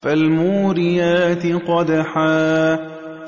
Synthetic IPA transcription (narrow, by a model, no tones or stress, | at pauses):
falmuːɾɪjaːt̪ɪqɑd̪aħaː